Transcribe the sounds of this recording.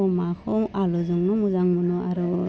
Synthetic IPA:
ɔmakʰɔŋalɔzɔŋnɔmuzaŋmunɔaɾɔ

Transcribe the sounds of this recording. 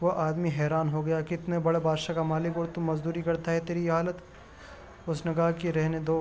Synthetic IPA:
ʋɐʔaːd̪miɦɛːɾaːnɦoɡɐjakɪt̪nebɐɽebaːd̪ʃakamaːlɪkɔːɾt̪ʊmːɐzd̪uːɾikɐɾt̪aɦɛt̪eːɾijɦaːlət̪ | ʊsnɐɡaːkiɾɛɦned̪oː

